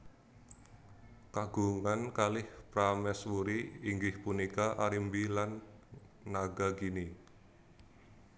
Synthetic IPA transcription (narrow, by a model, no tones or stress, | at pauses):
kaɡ̥uŋankalɪhpɾamɛswuɾiːŋɡɪhpunikaʔaɾimbilanː | aɡakini